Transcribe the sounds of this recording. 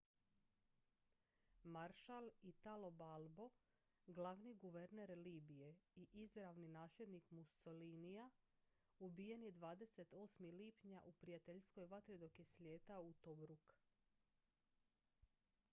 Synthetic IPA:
maɾʃalit̪alo̞balˠbo̞ | ɡlaʋniɡuʋe̞ɾneɾliːbije̞iʔizɾaʋninaːslʲe̞d̪nikmusolinija | ubije̞njed̪ʋaːd̪e̞se̞t̪o̞ːsmiliːpɲaʔupɾijat̪eʎsko̞jʋat̪ɾid̪o̞kje̞slʲe̞ːt̪aut̪obɾuk

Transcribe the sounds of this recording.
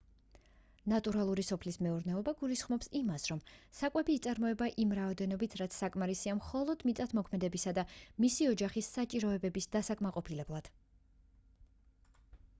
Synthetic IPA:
nat̪ʼuɾalˠuɾisɔpʰlismɛuɾnɛɔbaɡulisχmɔpsimasɾɔmsakʼwɛbiːt̪sʼaɾmɔɛbaʔimɾaɔd̪ɛnɔbit̪ʰɾat̪sʰsakʼmaɾisiamχɔlˠɔd̪mit̪sʼat̪ʰmɔkʰmɛd̪ɛbisad̪amisiɔd͡ʒaχisːat͡ʃʼiɾɔɛbɛbisd̪asakʼmaqʼɔpʰilɛblˠad̪̥

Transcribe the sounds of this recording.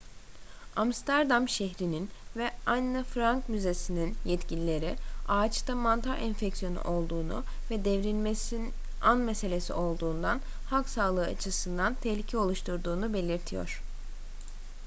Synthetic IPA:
amst̪ʰæɾd̪amʃɛɦɾininvɛanːɯfɾaŋkmyze̞sininjɛt̪cilʲilʲe̞ɾiaːt͡ʃt̪amant̪ʰaɾʔɛnfɛcsijo̞nṵʔo̞lˠd̪uːnṵ | vɛd̪ɛvɾinmesi | anmɛse̞lʲesḭʔo̞lˠd̪uːnd̪an | haksaːlˠɯːat͡ʃʰɯsɯnd̪ant̪ʰɛhlʲicʰɛo̞lˠuʃt̪ʰuɾd̪uːnube̞lʲiɾt̪ʰijo̞̰ɾ̝̥

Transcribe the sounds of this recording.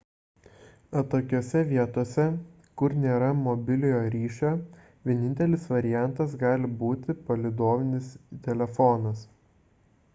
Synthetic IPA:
ɐt̪oːkʲoːsʲɛʋʲiɛt̪oːsʲɛ | kʊɾnʲeːɾɐmɔbʲɪlʲɪjoːɾʲiːʃʲoː | ʋʲiɛnʲɪnʲt̪ʲɛlʲɪsʋɐɾʲɪjæˑnˑt̪ɐs̬ɡɑːlʲɪbuːt̪ʲɪpɐlʲɪd̪oːʋʲɪnʲɪst̪ʲɛlʲɛfɔnɐs

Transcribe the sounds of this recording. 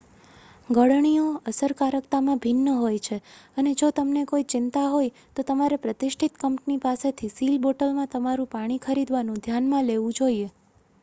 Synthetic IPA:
ɡəɽɳijoəsəɾkaɾəkt̪amãbʱɪnːəɦojt͡ʃʰeəned͡ʒot̪əmnekoit͡ʃɪnt̪aɦoj | t̪ot̪əmaɾepɾət̪ɪʃʈʰit̪kəmʈnipaset̪ʰisilboʈəlmãt̪əmaɾũpaɽ̃ikʰəɾid̪ʋanũd̪ʱjanmãleʋũd͡ʒoie

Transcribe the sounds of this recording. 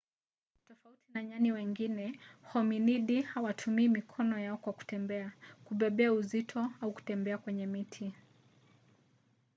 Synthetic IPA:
tɔfautinaɲaniwɛŋɡinɛhɔminiɗihawatʰumiːmikʰɔnɔjaɔkwaku̥tɛmbɛakuɓɛɓɛauzitʰɔauku̥tɛmbɛakwɛɲɛmitʰi

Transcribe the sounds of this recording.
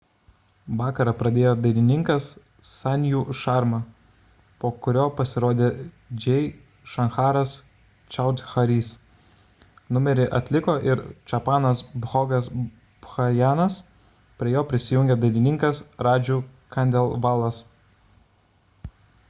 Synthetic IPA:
ʋɑːkɐɾɐpɾɐd̪ʲeːjoːd̪ɐɪlʲɪnʲɪŋkɐsː | ɑnʲjuːʃɑˑɾmɐ | poːkʊɾʲoːpɐsʲɪɾoːd̪ʲeː | d͡ʒʲɛɪ | ʃɐnxɑːɾɐs | t͡ʃʲɐʊt̪ʲxɐɾʲiːs | nʊmʲɛɾʲɪʔɐt̪ʲlʲɪkoːʔɪɾt͡ʃʲɐpɑːnɐsbɣɔːɡɐs | bxɐjæːnɐs | pʲɾʲiɛjoːpʲɾʲɪsʲɪjʊŋʲɡʲɛd̪ɐɪlʲɪnʲɪŋkɐsɾɑːd͡ʒʲuːkɐnʲd̪ʲɛlˠʋɑːlˠɐs

